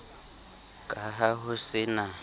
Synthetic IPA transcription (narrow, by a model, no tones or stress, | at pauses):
kʼaɦaɦʊsɪna